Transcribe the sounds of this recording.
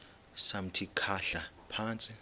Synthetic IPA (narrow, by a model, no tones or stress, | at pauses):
sam̩tʰikʰaɬa | pʰaːnt͡sʼi